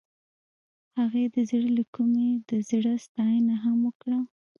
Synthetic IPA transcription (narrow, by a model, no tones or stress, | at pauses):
haɣed̪əzɽəlakumed̪əzɽəst̪ɑjənaɦamwəkɽa